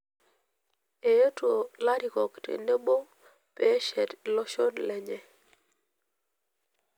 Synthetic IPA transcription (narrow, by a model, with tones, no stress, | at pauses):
e˨jo˦to˨la˦ɾi˨kɔ˨ktḛ˨ne˦bo˦ | pɛ˦ʃɛ˦˨tlɔ˦ʃo˦nlɛ˦ɲɛ˦˨